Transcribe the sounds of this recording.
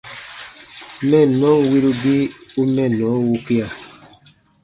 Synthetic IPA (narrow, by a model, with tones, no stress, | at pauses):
mɛ˦˨nɔ̃˦wi˦lu˦bi˦u˦mɛ˦˨nɔ̃˨˦wu˦ki˦a˨